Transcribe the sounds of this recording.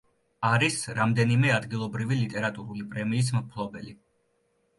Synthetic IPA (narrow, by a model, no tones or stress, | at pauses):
aɾisɾamd̪ɛnimɛad̪ɡilˠɔbɾivilit̪ʼɛɾat̪ʼuɾulipʼɾɛmiːs̬mpʰlˠɔbɛli